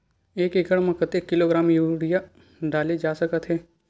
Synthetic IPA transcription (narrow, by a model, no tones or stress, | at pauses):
eːkekəɽmɐ̃kət̪ekːɪloɡɾaːmjuːɽija | ɖaːled͡ʒaːsɐkət̪ɦɛː